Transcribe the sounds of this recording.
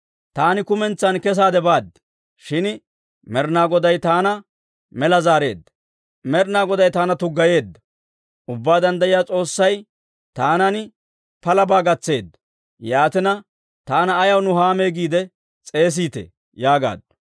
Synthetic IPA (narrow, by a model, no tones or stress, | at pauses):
t̪aːnɪkʊmɛnt͡sːɐnkɛs̬aːd̪ɛbaːd̪ | ʃɪn | mɛɾnaːɡɔd̪ɐjt̪aːnɐ | mɛlɐzaːɾe̞ːd̪ːɐ | mɛɾnaːɡɔd̪ɐjt̪aːnɐt̪ʊɡːɐje̞ːd̪ːɐ | ʊbːaːd̪ɐnd̪ɐjɪjaːt͡sʼo̞ːsːɐj | t̪aːnɐn | pɐlɐbaːɡɐt͡sːe̞ːd̪ɐ | jaːt̪ɪnɐ | t̪aːnɐːjɐwnʊhaːme̞ːɡiːd̪ɛ | t͡sʼe̞ːs̬iːt̪ḛ | jaːɡa̰ːd̪